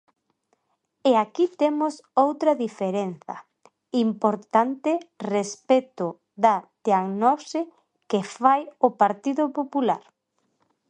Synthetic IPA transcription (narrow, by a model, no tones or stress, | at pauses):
eakit̪emʊsowt̪ɾɐðifeɾen̟θɐ̰ | impoɾt̪ant̪ɪrespet̪ʊ | ðat̪eaŋnɔɾse | kefajʊpaɾt̪iðʊpopula̰ɾ